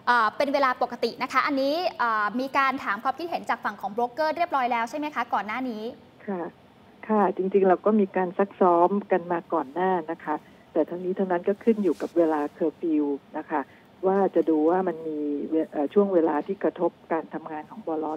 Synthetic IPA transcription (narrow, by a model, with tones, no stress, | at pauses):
ʔɤː˨˩pe˧nweː˧laː˧po˨˩kːa˧t̪i˨˩na˦˥kʰa˦˥ʔa˧nːiː˦˥ʔɤː˨˩miː˧kaː˧nt̪ʰaː˩˦mkʰwaː˧mkʰi˦˥t̪̚he˩˦nt͡ɕaː˨˩k̚fa˨˩ŋkʰɔː˩˦ŋbɾoː˦˥kːɤː˥˩ɾi˥˩əp̚ɾɔː˦˥jlɛː˦˥wt͡ɕʰa˥˩jma˦˥jkʰa˦˥kɔː˨˩nːaː˥˩niː˦˥ | kʰa˥˩ | kʰa˥˩t͡ɕi˧ŋt͡ɕi˧ŋɾa˧wkɔː˥˩miː˧kaː˧nsa˦˥k̚sɔː˦˥mka˧nmaː˧kɔː˨˩nːaː˥˩na˦˥kʰa˦˥ | t̪ɛː˨˩t̪ʰa˧wniː˦˥t̪ʰa˧wna˦˥nkɔː˥˩kʰɯ˥˩njuː˨˩ka˨˩p̚weː˧laː˧kʰɤː˧fi˧wna˦˥kʰa˦˥˩ | waː˥˩t͡ɕa˨˩duː˧waː˥˩ma˧nmiː˧e˧ʔəː˨˩t͡ɕʰu˥˩əŋweː˧laː˧t̪ʰiː˥˩kɾa˧t̪ʰo˦˥p̚kaː˧nt̪ʰa˧mŋaː˧nkʰɔː˩˦ŋbɔː˧lɔ˦˥